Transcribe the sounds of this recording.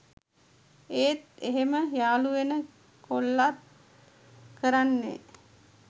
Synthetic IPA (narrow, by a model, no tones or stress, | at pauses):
eːt̪̚eɦeməjaːluʋenə | kʰolːat̪̚ | kəɾanːḛ